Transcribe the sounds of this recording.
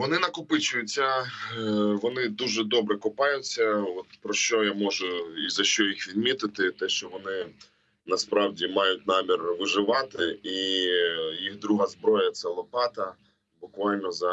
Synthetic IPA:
ʋɔnɪnɐkʊpɪt͡ʃʊjʊt͡sʲːɐ | ʋɔnɪd̪uʒɛd̪ɔbɾɛkʊpɑjʊt͡sʲːɐɔt̪pɾɔʃt͡ʃɔjamɔʒʊizɐʃt͡ʃɔjixʋʲid̪̚mʲit̪ɪt̪ɪt̪ɛʃt͡ʃɔʋɔnɪ | nɐspɾɑwdʲimɑjʊtʲnɑmʲirʋɪʒɪʋɑt̪ɪi | jiɣd̪ɾuɦɐzbɾɔjɐt̪sɛlˠɔpɑt̪ɐ | bʊkʋɑlʲnɔzɐ

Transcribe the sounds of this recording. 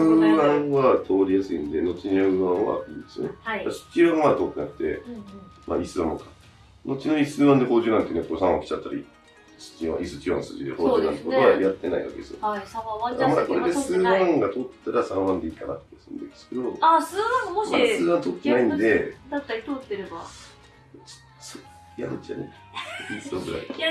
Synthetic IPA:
βãβat̪ʰo̞ːɾʲijasɨĩnd̪e̞no̞t͡ɕiɲaɯβãβa̰ɯĩnd̪esɨ̰nḛasɨ̥t͡ɕiβãβat̪o̞ːt̪ːenakɯ̟̥t̪e̞̰ | mʔa̰isɨβãmokḁ | no̞t͡ɕinoisɨːβãnd̪eko̞ːʑɨːnãnd̪esjoekosããkʲi̥t͡ɕat̪ːaɾʲḭ | sɨ̥t͡ɕiã̰ʔisɨt͡ɕiã̰sɨ̰ːʑid̪ehoːd͡ʑɨːnãnt̪kooajat̪ːe̞naḭβa̰ke̞d̪esɨjo̰aiaamad̪ako̞ɾed̪esɨːbããŋɡat̪ot̪ːaɾasãɰ̃βãnd̪e̞iːkanat̪ːesɨ̰̃nd̪ek̪sɨ̥ked̪o̞asɨːd̪ãmomasɨːbãnt̪o̞t̪ːenaĩnd̪e̞d̪at̪ːaɾʲit̪ot̪ːeɾeba | so | ja̰t͡ɕane | isoɡɯ̟ɾa̰i

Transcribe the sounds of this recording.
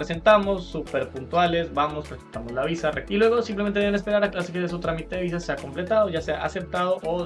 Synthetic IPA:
ɾese̞nt̪amo̞sːupeɾpunt̪wale̞sbamo̞spɾesent̪amo̞zlaβisareilwe̞ɣ̞o̞simplemneenespe̞ɾaɾaklasikezðes̬ut̪ɾamit̪eðeβis̬ase̞ako̞mple̞t̪að̞oʝaseaʔase̞p̚t̪að̞o̞ʔo

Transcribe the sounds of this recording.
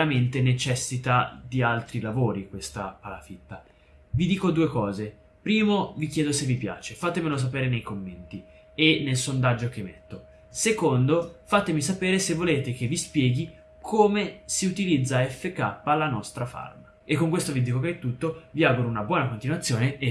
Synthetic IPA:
ɾament̪enet͡ʃɛsːit̪ad̪ialt̪ɾilavoːɾikwest̪apala̰fit̪ːa | vid̪iːkod̪uːekɔːze | pɾiːmovikjɛːd̪osevːipja̰ːt͡ʃefat̪ːemelos̬apeːɾenejkomːent̪i | enːelsond̪ad͡ʒːok̟emːḛt̪ːo | sekond̪ofat̪ːemisapeːɾesevːoleːt̪ek̟evːispjɛːɡi | kʰoːmesiut̪ilid̪zːaɛfːekapːalanɔst̪ɾafa̰rmaekːoŋkwest̪ovid̪iːkokeɛt̪ːut̪ːoviaːɡuɾounabwɔːnakont̪inwat̪sːjoːnee

